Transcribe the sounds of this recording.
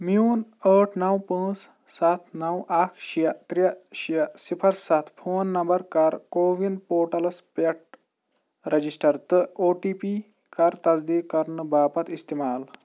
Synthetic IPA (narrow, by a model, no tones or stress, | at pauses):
miuːnəːʈʰnɐwpə̃ːs | sat̪ʰnɐwʔakʰʃijɐt̪ɾiɐɕijɐsipʰɐɾsɐt̪ʰfʰoːnːɐmbɐɾkɐɾkoːʋinpoːʈɐlɐspeʈ̚ | ɾɐd͡ʑisʈɐɾt̪əoːʈipi | kɐɾt̪ɐzd̪iːkɐɾnɨbaːpɐt̪ist̪imaːl